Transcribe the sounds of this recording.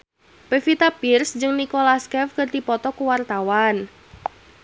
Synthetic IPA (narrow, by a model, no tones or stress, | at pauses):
pefit̪apirsd͡ʒɨŋnikolaskɛfkɨrd̪ipɔt̪ɔkəwart̪awan